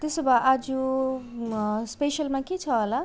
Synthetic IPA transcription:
t̪esobaʔad͡zu | speʃəlmãkit͡sʰʌɦla

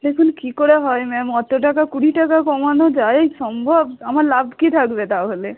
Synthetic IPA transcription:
lekʰunkikoɾeɦɔjmɛ̃mɔt̪oʈakakuɽiʈakakɔmanod͡ʒaesɔmbʱɔbamaɾlabʱkit̪ʰakbet̪aɦole

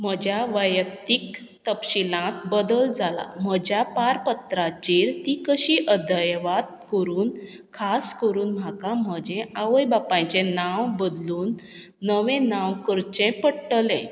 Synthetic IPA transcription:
m̤əd͡ʑjaʋəjək̚t̪ik | t̪əpɕilãt̪bəd̪əld͡zala̰m̤əd͡ʑjapaɾpət̪ɾat͡ɕiɾt̪ikəɕiːʔəd̪ʱəjʋad̪kəɾuːn | kʰaskəɾuːnm̤akam̤əd͡ʑɛ̃ʔaʋəjbapãjt͡ɕẽnawbəd̪luːnː | əʋẽnãwkəɾt͡ɕẽpəɽʈəlɛ̃

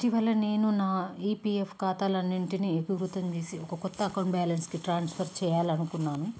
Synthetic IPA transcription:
iʈiʋɐlːɐne̞ːnunaːiːpiefkaːt̪aːlɐnːiɳʈiniebʱiwɾut̪ɐnt͡ʃ̪eːsiɔkɐkɔt̪ːɐːkɐwɳʈbaːlɐnskiʈɾaːnspʰɐɾt͡ʃɛːjaːlɐnukunːaːnu

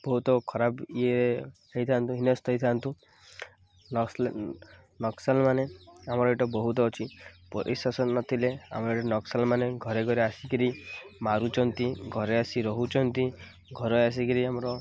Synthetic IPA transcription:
b̥ɔɦut̪ɔkʰɔɾabieeɦejt̪ʰant̪ũɦinɔst̪ʰɔit̪ʰant̪ũ | nɔksalmaneamɔɾɔiʈɔbɔɦut̪ɔːt͡ʃʰipɔɾʔḭsasɔnnɔt̪ʰilea̰mɔɾɔiʈɔnɔksalmaneɡʱɔɾeɡɔɾeasikiɾimaɾut͡ʃʰɔnt̪iɡʱɔɾeasiɾɔɦut͡ʃʰɔnt̪i | ɡʱɔɾɔjas̬ikiɾiamɔɾɔ

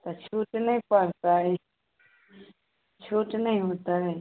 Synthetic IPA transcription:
t̪ɐt͡ʃʰuːʈnəɦĩpaɾt̪aːɦeː | t͡ʃʰuːʈnəĩɦoːt̪aːɦeː

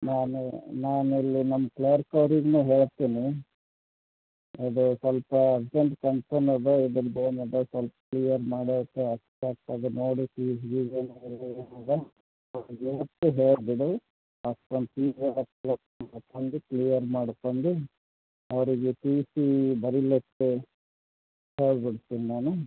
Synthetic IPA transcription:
naːnunaːnilːinɐmːɐklejɐɾkɐʋɾiɡneːɦeːɭt̪ːiːni | ɐd̪usʋɐlpɐːbseɳʈkɐnsɐnɐdeid̪ɐɾɡeːnɐd̪ɐsʋɐlpɐ̥kɭijɐɾmaːɽit̪ːeɐstaːk̚t̪aːd̪enoːɽisiʋid͡ʒɐnɐilːind̪e | ɐʋɾiɡeʋɐt̪ːuɦeːɭbiɽu | askɐmpiːd͡ʒaɐkːɐlɐk̪maɽk̪ond̪uklijɐɾmaːɽkond̪u | ɐʋɾiɡeʈiːsibɐɾilet̪ːe | heːɭbiɽt̪ːiːninaːnu

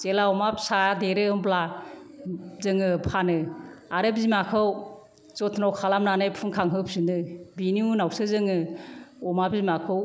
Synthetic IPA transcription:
t͡ʃelaɔmapsadeɾɯɯmbla | zɯŋɯpʰanɯaɾɯbzimakʰɯw | t͡ʃɔtʰnɔwkʰalamnanajpʰɯŋkʰaŋɦɯpsɯnɯbiniunawsɯzɯŋɯɔmabzimakʰɯw

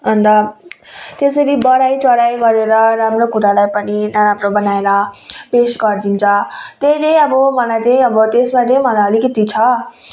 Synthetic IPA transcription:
ɦʌnd̪ʌ | t̪esʌɾibʌɽajt͡sʌɽajɡʌɾeɾʌɾamrokuɾalajpʌninʌɾamɾobʌnaeɾʌpesɡʌrd̪int͡sʰʌt̪eĩt̪ʌj̃ʌbʌmʌlajt̪ʌj̃ʌbʌt̪esmat̪ej̃mʌlajʌlikʌt̪it͡sʰʌ

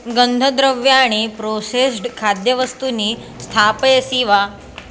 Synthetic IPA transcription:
ɡənd̪ʱəd̪ɾəʋjaːɽ̃ipɾosesʈkʰad̪jəʋəst̪uni | st̪ʰapjesiʋa

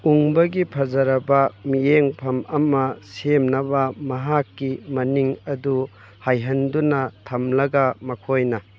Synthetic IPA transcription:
uŋbɐɡipʰɐzɐɾɐbɐmieŋpʰɐmɐmɐsemnɐbɐmɐɦakːimɐniŋɐdu | hajɦɐndunɐtʰɐmlɐɡɐmɐkʰojnɐ

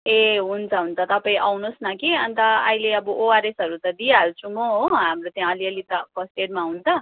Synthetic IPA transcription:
eɦunt͡sʰʌɦunt͡sʰʌt̪ʌpaĩʔawnosnʌkiʌnt̪ʌ̰ːɦileʌbʌʔoaɾesʌɾut̪ʌd̪ijaɾut͡sʰumoɦoɦamrot̪jãʌliʌlit̪ʌpʌsʈeɾmaɦunt͡sʰʌ

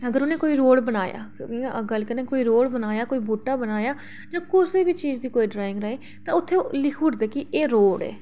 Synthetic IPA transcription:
əɡəɾʊnẽːkoːiːɾoːɽbənaːja̰ːɡəlkənẽːkoːiːɾoːɽbənaːjaːkoːiːbuːʈaːbənaːjaː | d͡ʒãːkʊsiːbiːt͡ʃiːd͡ʒd̪iːkoːiːɖɾaːɪ̃ŋɡɾaːeː | t̪ãːʊt̪ʰːeːlɪkʰuːɽd̪eːkɪeːɾoːɽɛ̰ː

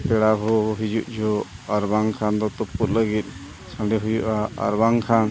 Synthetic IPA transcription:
pɛɽaɦɔɦid͡ʒuʔd͡ʒʱɔaɾbaŋkʰand̪ɔt̪ɔput̪̚ləɡit̪̚ˀ | sãɖɛɦujuʔaa̰ɾbaŋkʰan

